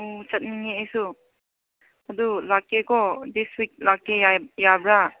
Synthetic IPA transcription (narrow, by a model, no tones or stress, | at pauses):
ot͡ʃat̚niŋeasu | ad̪ulakekɔdiswik̚lakːeajabɹa